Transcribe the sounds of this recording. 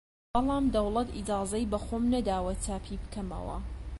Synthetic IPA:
bɑlˠɑːmd̪ɐwlɐt̪id͡ʒaːzɐjbɐxoːmnɐd̪aːwɐt͡saːpʰibɨkɐmɐ̰wɐ̰

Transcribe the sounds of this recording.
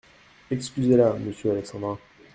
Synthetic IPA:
ekskʲyzeɾaməsjøɾesɑ̃d̪ɑ̃

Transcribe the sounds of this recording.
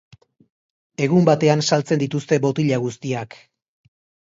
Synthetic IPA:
e̞ɣ̞umbat̪e̞ansalt͡se̞nd̪it̪ust̪e̞bo̞t̪iʎaɣ̞ust̪iak

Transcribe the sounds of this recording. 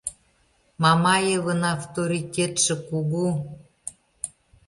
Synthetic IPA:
mɑmɑjəβənɑft̪oɾitʲet̪ʃĕkuɣu

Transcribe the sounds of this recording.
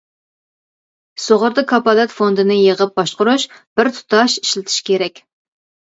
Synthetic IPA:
soʁəɾd̪ɑkʰɑpɑlɛt̪fond̪ɨnɨjeʁəp̚bɑʃqʊɾuʃb̥ɪɾt̪ʰu̥t̪ʰɑʃiʃlɪt̪ʰɪ̥ʃkʲʰeɾɛkʲ

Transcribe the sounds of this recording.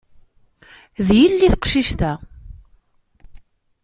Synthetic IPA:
ðjilːiθəqʃiʃt̪æ

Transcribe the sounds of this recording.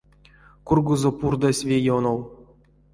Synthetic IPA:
kurɡuzŏpurd̪asʲvʲejonow

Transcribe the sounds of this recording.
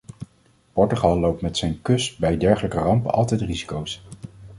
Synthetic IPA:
pɔɹtyχɑlˠːowp̚tmɛtsɛjnkɵsbɛjdɛɹχələkərɑmpənɑ̰lˠtɛjtrizi̥kows

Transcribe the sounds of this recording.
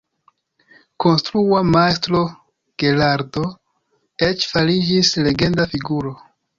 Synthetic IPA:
ko̞nstɾuamastɾo̞ | ɡ̥e̞laɾdo̞ | et͡ʃfalid͡ʒisle̞ɡe̞ndafiɡuɾo̞

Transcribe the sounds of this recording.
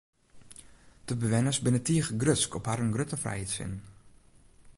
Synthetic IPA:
d̥əbəʋɪnəsbɪnətiəxɡrøtskʰɔphaɾənɡrøtəfrɛ̰jetsɪ̰nn

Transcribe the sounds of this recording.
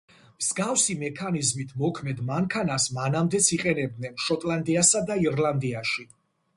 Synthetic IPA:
mz̥ɡafsimɛkʰanizmit̪ʰmɔkʰmɛd̪maŋkʰanasmanamd̪ɛt̪sʰiqʼɛnɛb̚d̪nɛnʃɔt̪ʼlˠand̪iasad̪aiɾlˠand̪iaʃi

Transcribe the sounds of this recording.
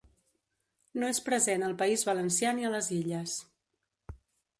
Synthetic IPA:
noespɾəzenəlˠpəizβələnsjaniələziʎəs

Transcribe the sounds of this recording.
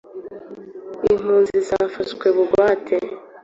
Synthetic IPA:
im̥uːnzizafatkweβuɡwaːtʰe

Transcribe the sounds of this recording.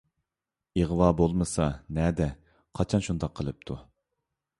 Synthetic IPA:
eʁwɑːbolˠmɨsɑnɛd̪ɛ | qʰɑt͡ʃʰɑnʃund̪ɑqʰəlˠɨp̚t̪ʰu

